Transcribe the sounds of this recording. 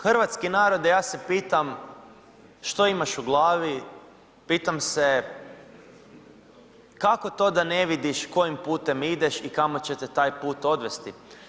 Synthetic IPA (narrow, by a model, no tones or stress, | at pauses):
xr̩ʋat̪skinaːɾo̞d̪ejaːsepiːt̪am | ʃt̪o̞imaʃuɡlˠaːʋi | piːt̪amse | kako̞t̪o̞d̪ane̞ʋid̪iʃko̞jimpuːt̪e̞mid̪eʃikamot͡ɕet̪et̪aːjpuːt̪o̞d̪ʋe̞st̪i